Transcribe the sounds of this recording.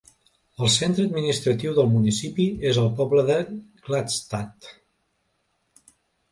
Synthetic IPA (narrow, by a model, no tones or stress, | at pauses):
əlˠsent̪ɾəːd̪minist̪ɾət̪iwðəlˠmunisipiezəlˠpɔbləðəɡlat̪st̪at̪